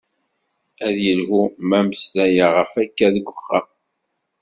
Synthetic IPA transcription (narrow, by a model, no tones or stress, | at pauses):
æðjəlhumæməslæjaʁəfækːæðɡʷːəχːa